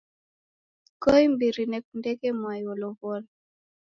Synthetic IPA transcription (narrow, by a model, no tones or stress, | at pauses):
kɔimbiɾinɛkundɛkɛmwajɔlɔvɔla